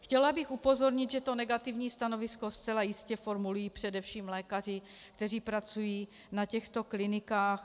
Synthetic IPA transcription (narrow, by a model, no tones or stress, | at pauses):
xcɛlabɪxupo̞zo̞ɾɲɪd̪ʒɛt̪o̞nɛɡat̪ɪvɲiːst̪ano̞vɪsko̞st͡sɛlajɪscɛfo̞ɾmulujiːpr̥ɛdɛfʃiːmlɛːkar̝ɪ | kt̪ɛr̝iːpɾat͡sujiː | nacɛxt̪o̞klɪnɪkaːx